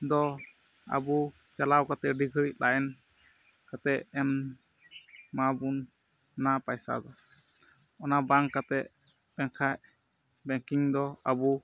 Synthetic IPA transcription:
d̪ɔ | a̰bu | t͡ʃalawkat̪ɛɖiɡʱəɾiʔ̚laɛn | kat̪ɛʔɛn | mabun | napajsa̰d̪ɔ | ɔnabaŋkat̪ɛʔ | pɛŋkʰaʔ | bɛŋkiŋd̪ɔabu

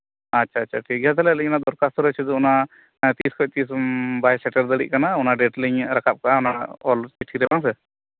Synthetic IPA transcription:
atːʃʰaːʃʰaʈʰik̚jat̪alɛlunad̪ɔɾkast̪ɔɾət͡ʃʰɛd̪ɔuna | t̪iskʰɔc̚t̪isbajsɛʈəɾd̪əɽḭʔ̚kanaunaɖɛʈliɲɾakap̚kaunaɔlt͡ʃiʈʰiɾɛbaŋs̬ɛ

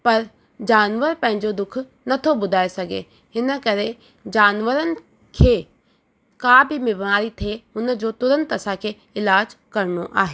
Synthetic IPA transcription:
pɐɾ | d͡ʑaːnʋəɾpɐ̃ɦɪ̃ɲd͡ʑod̪ʊkʰ | nɐt̪ʰobʊd̪ʱaːesɐɡḛ | ɦɪnə̆kɐɾe | d͡ʑaːnʋəɾənɪ̆ | kʰeː | kaːbʱimɪbmaːɾit̪ʰeːʊnə̆d͡ʑot̪ʊɾə̃nt̪ɐsãkʰeː | ɪlaːd͡ʑkɐɾɽ̃oʔa̰ːɦeː

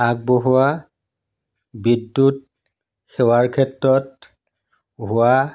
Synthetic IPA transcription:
ak̚boɦua | bidːut̚ | xɛwaɹkʰɛtɹɔt̚ | ɦʊa

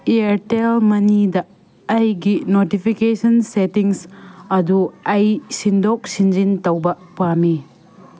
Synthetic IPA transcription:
iɐɾtelmɐnidɐː | jɡinotipʰikesɐnsetiŋsɐduɐjsindok̚sind͡ʒintɐwbɐ | pami

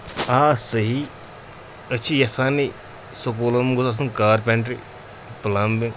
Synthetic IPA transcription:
aːsəɦi | ɐt͡ʃʰijɐsaːni | sokoːlɐmɡʊzaːs̬ɨnkaːɾpẽɳʈɾi | plambeŋ

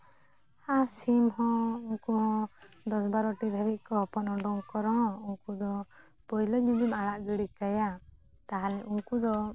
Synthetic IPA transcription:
hasimhɔ̃uŋkuhɔ̃d̪ɔsbaɾɔʈiɾʱɛbiʔ̪̚kɔpɔnɔɳɖɔuŋkɔɾɔɦɔ̃uŋkud̪ɔ | pɔjlɔd͡ʒudimaɽaʔɡiɽikaja | t̪aɦalɛʔuŋkud̪ɔ

